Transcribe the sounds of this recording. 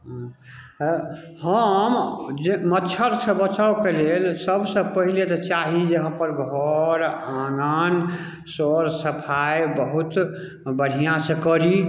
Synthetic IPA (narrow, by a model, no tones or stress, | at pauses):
ɦ | həmd͡ʒmətːt͡ʃʰəɾsə̃bət͡ʃawkelelsəbsə̃pəɦilet̪ɔt͡ʃaɦid͡ʒeɦəmpəɾɡʱɔɾãnan | soɾsəpʰajbəɦut̪ | bəɽ̤ijãsə̃kəɾi